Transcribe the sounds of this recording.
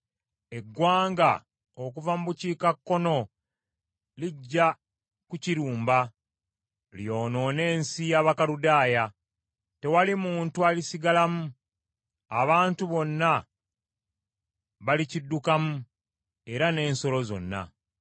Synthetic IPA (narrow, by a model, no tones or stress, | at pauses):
e̞ɡːwaːŋɡa̰ | okuvamuβuciːkakːo̞no̞ | liɟːa | kuciɾuːmba | ljo̞ːno̞ne̞ːnsijaːβakaludaːja | te̞walimuːntualisiɡalamu | a̰βaːntuβo̞nːa | βalicidːukamu | e̞ɾane̞ːnso̞lo̞zo̞̰nːa̰